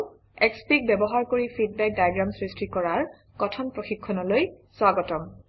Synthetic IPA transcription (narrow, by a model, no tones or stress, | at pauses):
ɛkspik̚bɛbɔɦaɹkoɹipʰid̚bɛk̚dajɡɹamsɹistikɔɹaɹ | kɔtʰɔnpɹoxikʰːɔnɔloj | swaɡɔtɔm